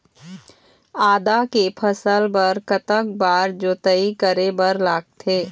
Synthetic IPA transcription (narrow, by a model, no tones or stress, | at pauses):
aːd̪akepʰəsəlpɐɾkət̪ək̚baːɾd͡ʒoːt̪əikəɾebɐɾlaːɡ̚t̪ʰeː